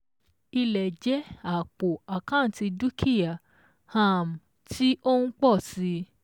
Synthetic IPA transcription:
i˧lɛ˨d͡ʒɛ˨˦a˨k͡po˨a˨kã˦˨ti˧du˦kʰi˦˨ja˨ | hã˦˨m̩˨ | tʰi˦ʔo˦ũ˦k͡pɔ˦˨si˨˧˦

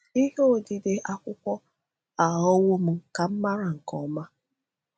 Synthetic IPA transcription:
i˦ɦo˦˨di˨dɪ˨ʔa˦kʷʊ˦kʷɔ˦ | a˨ɔ˦wo˦m̩˨ka˨m̩˦ma˦ɾa˨ŋ̩˨kɔ˨ma˦

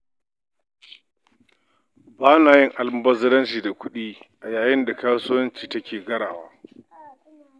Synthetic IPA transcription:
baː˦naː˨jɪ˦ŋʔa˨lm˦bɐ˦zɐ˦ɾɐ˦nt͡ʃiː˨da˨kʷʊ˦ɗiː˦ʔa˨jaː˨jɪ˦nda˨kaː˦sʊ˦wɐ˦nt͡ʃiː˨tɐ˦kʲʰeː˨ɡɐ˦ɽaː˨waː˦

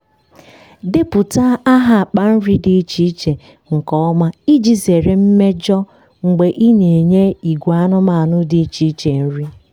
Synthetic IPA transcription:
dɪ˦pʊ˨ta˦a˦ɦa˦a˨k͡pa˨n̩˦ɾi˦dɪ˨i˦t͡ʃi˦t͡ʃe˨ | ŋ̩˨kɔ˨˦ɔ˦ma˦i˦d͡ʒi˦ze˨ɾe˦m̩˦me˦d͡ʒɔ˦ | ŋ̩˨ɡ͡be˨ʔi˦ne˨ɲe˦i˨ɡʷa˦nʊ˦ma˨a˨nʊ˦di˨i˦t͡ʃi˨˦i˦t͡ʃe˨n̩˦ɾi˦

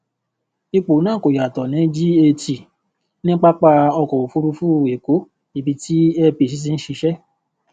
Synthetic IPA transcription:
i˧k͡po˨˦nãː˦˨ko˨ja˨tɔ˨nĩ˨˦d͡ʒi˦e˧ti˨ | nĩ˦k͡pa˦k͡pa˧ɔ˧kɔ˨o˨fu˦ɾu˧fu˦˨e˨ko˨˦ | i˨bi˧ti˦ɛ˧pi˨s̬i˨˦s̬i˦n̩˦ʃi˧ʃɛ˦

